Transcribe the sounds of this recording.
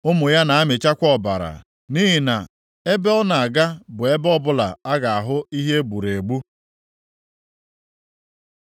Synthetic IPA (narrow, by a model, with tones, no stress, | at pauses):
ʊ˦mʊ˨ja˦na˨a˦mɪ˨t͡ʃa˦kʷɔ˦˨ba̰˨ɾa̰˨ | ni˦ɦi˨na˨ | e˦be˦ɔ˦na˨a˨ɡa˦bʊ˨e˦bɔ˦bʊ˦la˨a˦ɡa˨a˨ɦʊ˦i˦ɦe˦ɡ͡bu˨ɾe˨ɡ͡bu˦